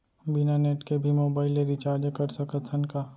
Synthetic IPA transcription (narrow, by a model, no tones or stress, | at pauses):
bɪnaneːʈkebʱimoːbaːɪleɾit͡ʃaːɾd͡ʒkəɾsəkət̪ʰənkaː